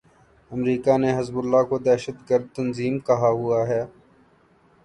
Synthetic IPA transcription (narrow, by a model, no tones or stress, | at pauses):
ɐmɾiːkaneɦɐzbʊlːakod̪ɛːʃəd̪ɡəɾd̪̚t̪ɐnziːmkɐɦaɦʊaɦɛː